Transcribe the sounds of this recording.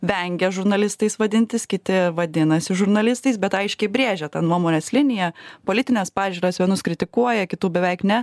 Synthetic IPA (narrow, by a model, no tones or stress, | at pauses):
ʋʲɛŋʲɡʲɛʒʊɾnɐlʲɪst̪ɐɪsʋɐd̪ʲɪnʲt̪ʲɪskʲɪt̪ʲɪʋɐd̪ʲɪnɐsʲɪʒʊɾnɐlʲɪst̪ɐɪsbʲɛt̪ɐɪʃʲkʲɛɪbʲɾʲeːʒʲɛt̪ɐnnuɔmoːnʲeːslʲɪnʲɪjɛpoːlʲɪt̪ʲɪnʲɛspɑːʒʲuːɾɐsʋʲiɛnʊskɾʲɪt̪ʲɪkuɔjɛkʲɪt̪uːbʲɛʋʲɛɪknʲɛ